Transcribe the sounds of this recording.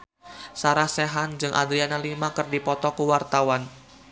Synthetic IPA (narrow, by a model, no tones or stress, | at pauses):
saɾahseɦand͡ʒɨŋʔa̰d̪ɾianalimakɨrdipɔt̪ɔkuwart̪awan